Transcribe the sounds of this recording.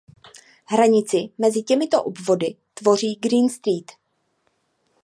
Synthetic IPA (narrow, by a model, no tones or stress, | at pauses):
ɦɾaɲɪt͡sɪmɛzɪcɛmɪt̪o̞ʔobvo̞dɪ | t̪vo̞riːɡɾiːnst̪ɾiːt̪